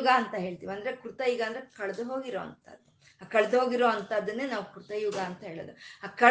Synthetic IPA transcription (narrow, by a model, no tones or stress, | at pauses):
ɡaːnt̪ɐɦe̞ːɭt̪iːʋiɐnd̪ɐɾekɾut̪ɐjuiɡaːnd̪ɐɾekɐɭɐd̪uɦo̞ːɡiɾo̰ːɐ̰nt̪ɐ̰d̪ | aːkɐɭɐd̪uɦo̞ːɡiɾo̞ːɐnt̪ɐd̪ːɐnːeːnaːʋukɾut̪ɐjuɡaːnt̪ɐɦeːɭoːd̪uaːkɐ